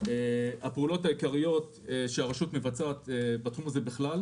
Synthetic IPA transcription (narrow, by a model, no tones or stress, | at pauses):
eapeulo̞thaikaʁijo̞t | eʃeaʁaʃutmevat͡saːt̪ebat̪χumaze̞biχlal